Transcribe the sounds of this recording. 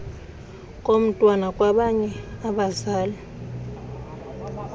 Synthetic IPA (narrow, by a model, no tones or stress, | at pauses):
kʼom̩tʼwanakʼwaɓaɲɛaɓazaːlɛ